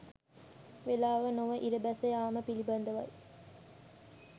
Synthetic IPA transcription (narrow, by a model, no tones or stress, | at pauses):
ʋelaːʋɐnoʋɐʔiɾɐbæsɐjaːməpilibɐnd̪ɐʋɐ̰j